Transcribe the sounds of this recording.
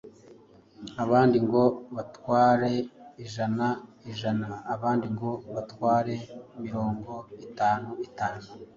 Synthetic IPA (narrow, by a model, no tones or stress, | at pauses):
aβaːndiŋɡo̞βatwaːɾe̞iʒanaiʒanaːβaːndiŋɡo̞βatwaːɾe̞imiɾo̞ːŋɡo̞itaːnuitaːnu